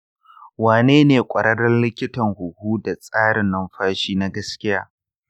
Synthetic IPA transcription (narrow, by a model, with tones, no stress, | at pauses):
waː˨neː˦neː˨kʷʼɐ˨ɽɐ˦ɽɐ˦nlɪ˦kʲːɪ˦tɐ˨ŋhʊ˨huː˦da˨sʼaː˦ɽɪ˨nːɐ˦mɸaː˦ʃiː˦na˦ɡɐ˦skʲɪ˦jaː˦